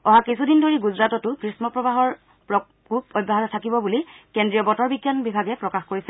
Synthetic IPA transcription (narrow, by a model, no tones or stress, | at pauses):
ɔɦakisʰudindʱoɹiɡuzɹatɔtʊkɹismɔpɹɔbaɦɔɹ | pɹɔ | kubɔd̚bʱaɦatɔtʰakibɔbulikendɹijɔbɔtɔɹbiɡjanbibʱaɡɛpɹɔkaxkoɹisɛ